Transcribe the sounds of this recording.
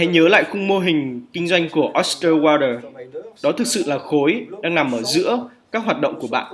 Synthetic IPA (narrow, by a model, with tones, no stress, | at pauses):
ɛ˨˦ɲəː˨˦la̰ː˧˨jxʊ˧ŋ͡mmo˧ɦï˨˩ŋ̟kï˧ŋ̟zwa˧jŋ̟ku˧˩əʔɔ˦˥st̪əː˧waː˧ɾəː˧˩ɗɔ˨˦t̪ʰɨ˨˩k̚sɨ̰˧˨laː˨˩xo˨˦jɗaː˧ŋna˨˩mʔəː˧˩zɨ̰˧˥əkaː˦˥k̚ɦwaː˨˩t̚ɗə̰˧˨wŋ͡mku˧˩əɓa̰ː˧˨n